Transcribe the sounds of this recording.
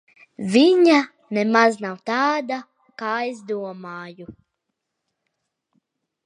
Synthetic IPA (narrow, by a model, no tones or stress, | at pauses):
vʲiɲa | nɛmaznawt̪aːd̪a | kaːjzd̪uɔmaːju